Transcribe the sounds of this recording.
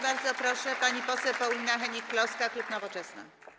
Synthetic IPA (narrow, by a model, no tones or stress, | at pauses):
baɾd̪zɔpɾɔʂɛpaɲipɔsɛwpɔwʲinaxɛɲikːlɔskaklupnɔvɔt͡ʂɛsna̰